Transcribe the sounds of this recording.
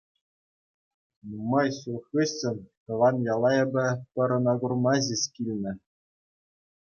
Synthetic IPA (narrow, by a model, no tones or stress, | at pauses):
numɑjsulxɯɕʲːɘ̆nʲkɤ̆ʋɑnjɑlˠɑjɤ̆bʲɘ̆pʲɤ̆ɾɤ̆nɑɡurmɑʑiskʲilʲnʲɘ̆